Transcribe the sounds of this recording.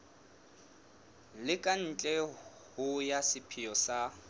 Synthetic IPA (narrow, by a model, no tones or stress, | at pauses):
lɪkʼan̩t͡ɬʼɛ | hʊjasɪpʰijɔsa